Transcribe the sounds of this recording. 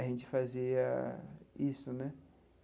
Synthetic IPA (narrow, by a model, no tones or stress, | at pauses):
ʒẽnt͡ʃɪ̥faziɐ | isʊnɛ